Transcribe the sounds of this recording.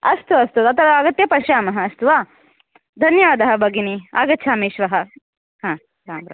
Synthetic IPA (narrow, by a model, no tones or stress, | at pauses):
ɐst̪uʋɐst̪uɐt̪ɐt̪ɐɾɐɐɡɐt̪jɐpɐʃjaːmɐɦɐːst̪uʋaː | d̪ʱɐnjɐʋaːd̪ɐɦɐbʱɐɡinia̰ːɡɐt̪ːt͡ʃʰaːmeːʃʋɐɦɐ | hãː | ɾaːmɾɐ̰